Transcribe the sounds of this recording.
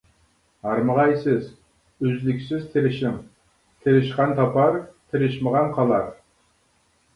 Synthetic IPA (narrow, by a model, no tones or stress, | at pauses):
hɑɾməʁɑjsɪz | øzlɪkʲsɪzt̪ʰeɾɪʃɪm | t̪ʰeɾɪʃqɑnt̪ʰɑpɑɾt̪ʰɪɾɪʃməʁɑnqʰɑlˠɑɾ